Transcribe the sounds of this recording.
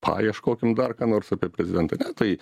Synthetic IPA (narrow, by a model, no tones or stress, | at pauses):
pʰɑ̰ːjɛʃkoːkʲɪmd̪ɐrkɑːnoːɾsɐpʲeɛpʲɾʲɛzʲɪd̪ʲɛnt̪ɐnʲɛt̪ɐɪ